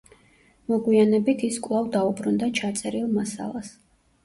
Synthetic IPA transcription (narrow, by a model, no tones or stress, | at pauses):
mɔɡwianɛbit̪ʰiskʼwlˠavd̪aubɾund̪at͡ʃʰat̪sʼɛɾilˠmasa̰lˠas